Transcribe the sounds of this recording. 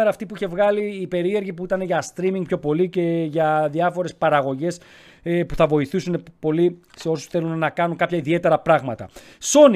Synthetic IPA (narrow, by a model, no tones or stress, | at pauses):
eɾɐːft̪ipuiçe̞vɣɐliːpe̞ɾie̞ɾʝipuit̪ɐne̞ʝɐst̪ɾimiŋɡpço̞po̞lice̞ʝɐðiɐfo̞ɾe̞spɐɾɐɣo̞ʝe̞s | puθɐvo̞iθisunepo̞lise̞o̞su̥sθe̞lunːɐkɐnuŋkɐpçɐiðie̞t̪e̞ɾɐpɾɐɣmɐt̪ɐ̰ | so̞ni